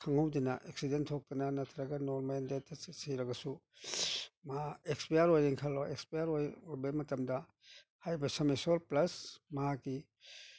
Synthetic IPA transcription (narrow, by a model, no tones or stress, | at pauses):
kʰɐŋɐwdɐnɐʔeksidentʰok̚t̪ɐnɐnɐtʰɾɐɡɐnoɾmendetːɐsiɾɐɡɐsu | maekspejɐɾojɾiŋkʰaloekspejɐɾojojbɐmɐtɐmdɐ | hajbɐsɐmesoɾplɐsmɐɦakːi